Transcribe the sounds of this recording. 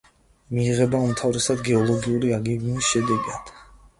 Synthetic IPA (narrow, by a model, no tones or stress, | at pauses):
miːʁɛbaumt̪ʰavɾɛsad̪ɡɛɔlˠɔɡiuɾiaɡɛɡmisʃɛd̪ɛɡad̪̥